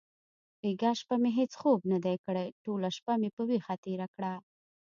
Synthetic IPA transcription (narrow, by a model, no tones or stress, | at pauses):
beɡaʃpameɦet͡sxobnad̪ajkəɽajʈolaʃpamepəwexat̪eɾakɽa